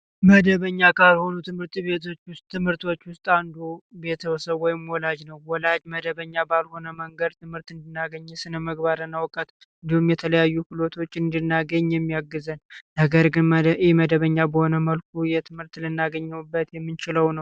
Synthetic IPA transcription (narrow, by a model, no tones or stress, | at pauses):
məd̪əβəɲːakalho̞nut̪ʰɨmhɨɾt̪be̞t̪ʰo̞t͡ʃːwʊst̪ːɨmhɨɾt̪ʰo̞t͡ʃːwʊst̪ʼand̪ube̞t̪ʰəwɔsəβwɔjɪmwɔlad͡ʒnəwːɔlad͡ʒməd̪əβəɲːabalho̞nəməŋɡəd̪t̪ʰɨmhɨɾt̪ɨnd̪ɨnːaɡəɲːɛsɨnəməɡbaɾɨnːawkʼət̪ | ɨnd̪ihumjɛt̪ʰələjajːukulo̞t̪ʰo̞t͡ʃːɨnd̪ɨnːaɡəɲːjɛmːijaɡːɨzənnəɡəɾɡɨnjɛməd̪əβəɲːabəho̞nəməlk̚ʰujɛt̪ʰɨmhɨɾt̪lɨnːaɡəɲːɛmbːət̪jɛmːɨnt͡ʃɪləwnəw